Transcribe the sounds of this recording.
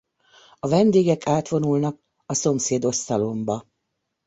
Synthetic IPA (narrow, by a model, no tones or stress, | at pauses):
ɒvɛnd̪eːɡɛkʰaːt̪ʋo̞nulnɒk | ɒso̞mseːd̪o̞st̪ɒlo̞mbɒ